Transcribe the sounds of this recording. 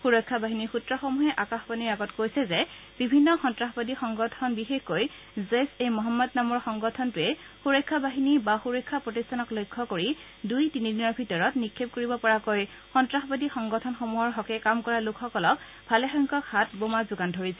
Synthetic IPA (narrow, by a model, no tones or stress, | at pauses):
xuɹɔjkʰːabaɦinixutɹɔxomuɦɛʔakaxbaniɹaɡɔtkojsɛzɛ | b̥ibʱinːɔxɔntɹaxbadixɔŋɡɔtʰɔnbixexkoj | zesejmɔɦɔmːɔdnamɔɹxɔŋɡɔtʰɔntʊɛ | xuɹɔjkʰːabaɦinibaxuɹɔjkʰːapɹotistʰanɔklojkʰːɔkoɹi | dujtinidinɔɹbʱitɔɹɔtnikʰːep̚koɹibɔpɔɹakoj | xɔntɹaxbadixɔŋɡɔtʰɔnxomuɦɔɹɦɔkɛkamkɔɹalukʰxɔkɔlɔk | bʱalɛxɔŋkɔkhat̚bomazʊɡandʱoɹisɛ